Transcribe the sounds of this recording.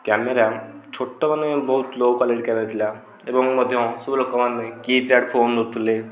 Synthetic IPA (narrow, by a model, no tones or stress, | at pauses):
kɛmeɾat͡ʃʰoʈːɔmanebɔɦut̪lowkɔleɖkɛmeɾt̪ʰila | ebɔŋmɔd̪ʱjɔ̃subilokɔmanːekitaɖpʰonlot̪ʰule